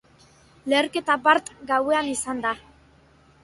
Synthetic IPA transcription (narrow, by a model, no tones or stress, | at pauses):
le̞ːrke̞t̪abaɾt̪ɡawe̞anisand̪a